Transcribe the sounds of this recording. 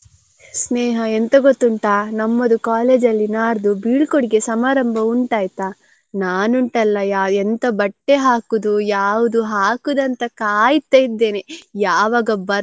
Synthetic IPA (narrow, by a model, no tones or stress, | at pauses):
sneːɦɐent̪ɐɡot̪ːuɳʈaːnɐmːɐd̪ukaːleːd͡ʒɐlːinaːɾd̪ubiːɭkoɽiɡe̞sɐmaːɾɐmbʱɐuɳʈaːjt̪aː | naːnuɳʈɐlːɐjaːɛnt̪ɐbɐʈːeɦaːkud̪ujaːʋud̪uɦaːkud̪ɐnt̪ɐkaːjit̪ːɐjid̪ːe̞ːnejaːʋaːɡɐbɐɾ